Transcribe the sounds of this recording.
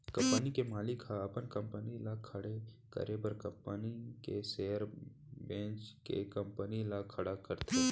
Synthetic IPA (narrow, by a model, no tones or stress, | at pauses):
kɐ̃mpənikemaːlɪkɦaːpənkə̃mpənilakʰɐɽe | kə̰ɾebəɾkɐ̃mpənikeseːəɾ | bẽːt͡ʃkḛkə̃mpənilakʰɐɽakəɾt̪e